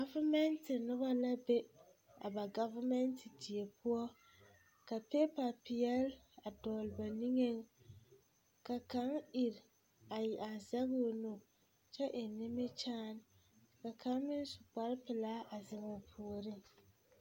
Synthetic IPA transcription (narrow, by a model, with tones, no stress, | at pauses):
ɡa˦va˦mɛ˦ntɪ˨nʊ˦ba˦la˦be˦ | a̰˨ba˨ɡa˦va˦mɛ˦ntɪ˨di˨e˨pu˦ɔ˦ | ka˨pe˦pa˨pɪ˨jɛ˦l | a˨dɔː˨lba˨ni˦ŋe˦ŋ | ka˨ka˨˦ŋɪ˨ɾ | a˨ji˨ʔa˨za˦ɣo˦˨nʊ˦ | t͡ʃɛ˦ʔɪ˨nɪ˦mɪ˦t͡ʃaː˦n˨ | ka˨ka˨˦ŋmɪ˦n˦sʊ˨k͡pa˦ɾpɪ˨laː˦ʔa˨zɪ˨ŋo˨pʰu˨ɾɪ˦ŋ